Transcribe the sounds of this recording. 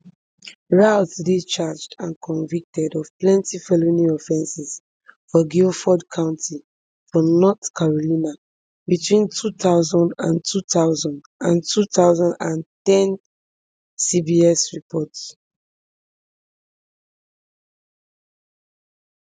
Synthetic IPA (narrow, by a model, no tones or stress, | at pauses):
ɹatdet͡ʃad͡ʒdãnkʰɔ̃nvik̚tɛdɔv̥plɛ̃ntifɛlonĩɔfɛ̃nsɛz̥ | fɔɡifɔdkʰãʊ̃ntʰi | fɔnɔtkʰaɹolĩna | bitʰwĩntʰutaʊzɔ̃ndã̰ntʰutaʊzɔ̃nd | ãntʰutʰaʊzɔ̃ndãntɛ̃n | sibiɛsɹipʰɔts